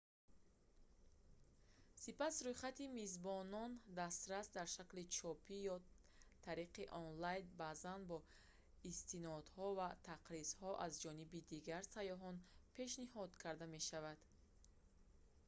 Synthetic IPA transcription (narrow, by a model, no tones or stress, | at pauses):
sipasɾujχat̪imizbɔnɔnd̪ast̪ɾasd̪aɾʃaklit͡ʃʰɔpʰijɔ | t̪ʰaɾiqiʔɔnlajnbazanbɔ | ist̪inɔd̪hɔvat̪ʰaqɾizhɔʔazd͡ʒɔnibid̪iɡaɾsajɔɦɔnpʰe̞ʃnihɔd̪kʰaɾd̪ame̞ʃavad̪̥